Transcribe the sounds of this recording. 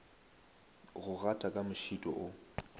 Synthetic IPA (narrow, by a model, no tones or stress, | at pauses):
ɣʊɣatʼakʼamʊʃitʼɔ̰ʔʊ